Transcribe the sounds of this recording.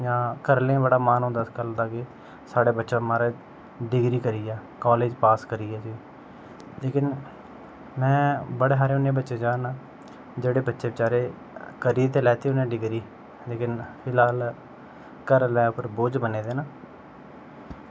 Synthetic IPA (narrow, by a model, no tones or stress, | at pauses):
jãːkəɾlẽːbəɽaːmaːnɦõːnd̪askəld̪aːkɪ | saːɽeːbətːʃãːmaːɾeː | ɖɪɡɾiːkəɾiːɛːkoːleːd͡ʒpaːskəɾiːɛːsiː | leːkɪn | mɛ̃ːbəɽeːɦaːɾeːʊnːẽːbətːʃeːd͡ʒãːnaː | d͡ʒeːɽeːbətːʃeːʋɪt͡ʃaːɾeː | kəɾiːt̪eːlɛːt̪eːʊnẽːɖɪɡɾiː | leːkɪnpʰɪlɦaːl | kəɾlɛːʊpʰəɾboːd͡ʒbəneːd̪eːnaː